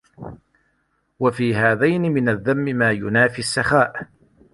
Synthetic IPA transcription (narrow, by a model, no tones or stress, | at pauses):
wafiːɦaːðajnɪmɪnaðːamːɪmaːjʊnaːfiasːaxaːʔ